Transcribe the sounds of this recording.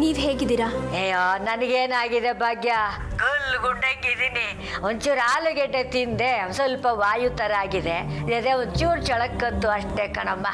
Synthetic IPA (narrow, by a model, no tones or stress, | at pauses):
niːʋɦeːɡid̪iɾaejanɐnɐɡeːnaːɡid̪e̞bʱaːɡjaɡɐlɡuɳɖekːid̪ini | ond̪t͡ʃuːɾaːluɡɛɖːet̪ind̪esɐlpɐʋaːjut̪ɐɾaːɡid̪eɐd̪eond̪t͡ʃuːɾt͡ʃɐɭɐkːɐnt̪ːuɐʂʈekɐɳɐmːɐ